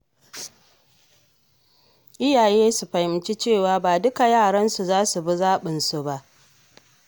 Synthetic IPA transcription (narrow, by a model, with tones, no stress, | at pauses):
ʔɪ˦jaː˨jeː˦su˨ɸɐ˨jɪ˨mt͡ʃi˦t͡ʃeː˦˨waː˨baː˨dʊ˦ka˨jaː˦˨ɽɐ˦nsu˨zaː˦su˨bu˦zaː˦ɓɪ˨nsu˨ba˦ʔ